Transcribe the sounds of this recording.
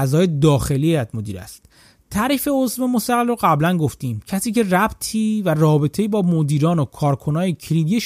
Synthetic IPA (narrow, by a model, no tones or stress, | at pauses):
æzɒːje̞d̪ɒːxe̞lieæd̪mod̪iːɾæ̰st̪ | t̪ʰæɾiːfe̞o̞zvemost̪æɣelɾoɣæblænɡo̞ft̪iːmcʰæsiːce̞ræbt̪ʰiːværɒːbe̞t̪ʰe̞jibɒːmod̪iːɾɒːnokʰɒːɾkʰo̞nɒːjecʰɾib̪ijeʃ